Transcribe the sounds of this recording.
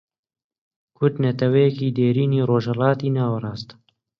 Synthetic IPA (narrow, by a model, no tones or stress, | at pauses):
kʰʊɾd̪nɐt̪ʰɐwɛjɛkiːd̪eːɾiːniːroːʒhɛlɑːt̪iːnɑːwɐɾˤɑːst̪